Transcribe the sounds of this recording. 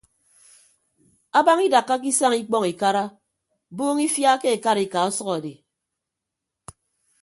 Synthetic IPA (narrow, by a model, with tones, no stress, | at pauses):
a˦ba˦ŋi˦da˨kːa˦k̬i˦sa˦ŋi˦k͡pɔ˦ŋi˨ka˦ɾa˦ | boː˦ŋi˦fja˦ke˦e˨ka˦ɾi˨ka˨ɔ˦sɔ˦ɔ˨de˨